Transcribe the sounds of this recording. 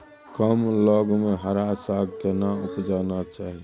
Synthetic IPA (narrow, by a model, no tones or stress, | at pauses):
kəmloɡmeɦəɾasaɡkenaupd͡ʒanat͡ʃaːɦi